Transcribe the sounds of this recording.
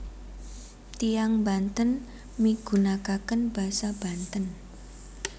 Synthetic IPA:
t̪ijaŋba̤nt̪ən | miɡ̥ṳnakakənb̥a̤sab̥a̤nt̪ən

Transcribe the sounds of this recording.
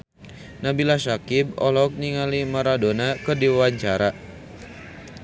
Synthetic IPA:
nabilasakib̚ɔ̰lɔk̚niŋalimaɾadonakərdiwawaɲt͡ʃaɾa

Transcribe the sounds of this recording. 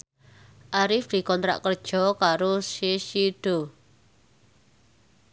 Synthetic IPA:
ʔaɾɪfd̪̥i̤kɔnt̪ɾa̰ʔkərd̥ʒ̥ɔ̤kaɾoseʃiɖ̥o̤

